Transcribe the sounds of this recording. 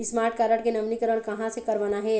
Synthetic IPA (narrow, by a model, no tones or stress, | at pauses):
ɪsmaːɾʈ̚kaːɾəʈkenɐmnikəɾəɾkɐɦãsekɐɾʋənaɦɛ